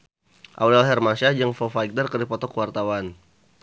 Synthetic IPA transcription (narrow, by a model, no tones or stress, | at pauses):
ʔa̰wdalɦɛrmasad͡ʒəŋfɔfajɡ̚dərkərdipɔt̪ɔkəwart̪awan